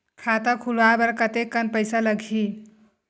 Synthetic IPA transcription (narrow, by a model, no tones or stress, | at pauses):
kʰat̪əkʰulabəɾkət̪ekːənpəjsaləɡʱi